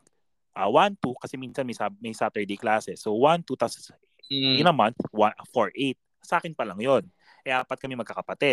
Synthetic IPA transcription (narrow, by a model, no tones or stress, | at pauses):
ʔawant̪ukɐsɛminsɐnmɐjsamɐjsaːt̪ɛɹd̪ejklaːsɛsowant̪ut̪as | jnɐmanθwafoɹʔejt̪̚ | sɐʔaːkɪnpɐlɐŋjon | ʔɛʔaːpɐt̪kɐmɛmɐɡkakɐpɐt̪ɛ